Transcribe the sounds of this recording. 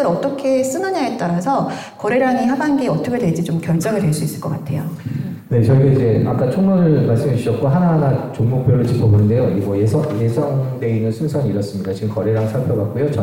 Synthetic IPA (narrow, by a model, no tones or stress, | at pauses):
ɯɾʌt͈ʌkʰe̞s͈ɯnɯɲaɦet͈aɾasʰʌ | kʌɾeɾaŋiɦabanɡeʌt͈ʰʌkʰedwe̞d͡ʑit͡ɕomkjʌɭt͡ɕ͈ʌŋɯɭdweɭs͈uis͈ɯ̥ɭk͈ʌk͈atʰe̞jo̰ | ne̞t͡ɕʌɡieid͡ʑe̞a̰k͈at͡ɕʰoŋnʌɾɯɭmaɭs͈ɯmaɕ͈ʰiɕʌt̚k͈oɦanaɦanat͡ɕoŋmok̚pʰjoɾɯɭt͡ɕipʰʌbonɯnde̞joimwʌjesʰʌjesʰʌŋde̞inɯnsʰunsʰʌŋiiɾʌs͈ɯmɲidat͡ɕiɡɯmkʌɾe̞ɾaŋsʰaɭpʰjʌbak̚k͈ujot͡ɕʌ